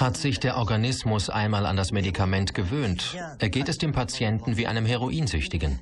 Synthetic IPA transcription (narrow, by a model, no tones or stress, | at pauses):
hatz̥ɪçd̥eːɐʔɔɐɡanɪsmʊsʔa̰ɪnmaːla̰ndasmedikʰamɛntɡ̥əvøːnt | ʔeːɐɡeːtɛsd̥eːmpʰat͡sjɛntn̩viːʔa̰ɪnəmɦɛʁ̞oʔiːnzʏçtɪɡən